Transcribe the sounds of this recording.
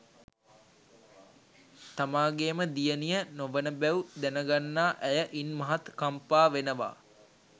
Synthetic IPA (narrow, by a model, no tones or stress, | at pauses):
t̪amaːɡeːməd̪ijənijənoʋənəbæwud̪ænəɡanːaːʔæjəʔinmɐɦat̪kampaːʋenəʋa̰ː